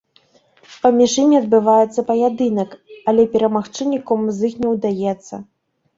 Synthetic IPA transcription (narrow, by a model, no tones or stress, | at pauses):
pɐmʲiʂɨmʲiɐd̪̚bɨvajɛt̪sːɐpɐjad̪ɨnɐkɐlʲɛpʲɛɾɐmaxt͡ʂɨnʲikumzɨxnʲɛwd̪ajɛt̪sːɐ